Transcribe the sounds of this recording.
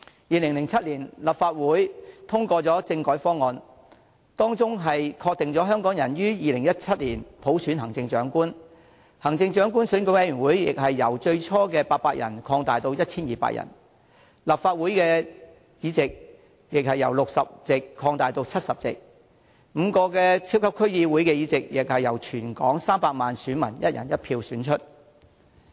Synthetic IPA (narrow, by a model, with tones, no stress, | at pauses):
jiː˨˧lɪ˨˩ŋlɪ˨˩ŋt͡sʰɐ˥t̚liː˨˩nlɐ˨p̚faː˧t̚wuː˨˥jt̪ʰʊ˥ŋkɔː˧t͡sɔː˨˥t͡sɪ˧ŋkɔː˨˥jfɔː˥ŋɔː˨˧n | t̪ɔː˥ŋt͡sʊ˥ŋɦɐ˨jkʰɔː˧k̚t̪ɪ˨ŋt͡sɔː˨˥ɦœː˥ŋkɔː˨˥ŋjɐ˨˩njyː˥jiː˨lɪ˨˩ŋjɐ˥t̚t͡sʰɐ˥t̚liː˨˩npʰo˨˥wsy˨˥nɦɐ˨˩ŋt͡sɪ˧ŋt͡ʃœ̰ː˨˥ŋkuː˥n | hɐ˨˩ŋt͡sɪ˧ŋt͡ʃœː˨˥ŋk̬uː˥nsyː˨˥nko˧˥wjɐ˧˥jyː˨˩nwuː˨˥jjɪ̰˨k̚ɦɐ˨jːɐ˨˩wt͡ʃɵ˧ɥt͡sʰɔː˥kɛː˧paː˧t̚paː˧k̚jɐ̰˨˩nkʰɔː˧ŋt̪aː˨˩jt̪o˧wjɐ˥t̚t͡sʰiː˥njiː˨pa̰ː˧k̚jʔɐ̰˨˩n | laː˨p̚faː˧t̚wu˨˥jkɛː˧ | jiː˨˧t͡sɪ˨k̚ | jɪ˨k̚hɐ˨jːɐ˨˩wlʊ˨k̚sɐ˨p̚t͡sɪ˨kʰːɔː˧ŋt̪aː˨jt̪o˧wt͡sʰɐ˥t̚sɐ˨p̚t͡sɪ̰˨k̚ | m̩˨˧kɔː˧kɛː˧t͡sʰi˥wkʰɐ˥p̚kʰɵ˥ɥjiː˧wuː˨˥jkɛː˧jiː˨˥t͡sɪ˨k̚jɪ˨k̚hɐ˨jɐ˨˩wt͡ʃʰyː˨˩nkɔ̰ː˨˥ŋsaː˥mpaː˧k̚maː˨nsyː˨˥nmɐ˨˩njɐ˥t̚jɐ̰˨˩njɐ˥t̚pʰiː˧wsyː˨˥nt͡ʃʰɵ˥t̚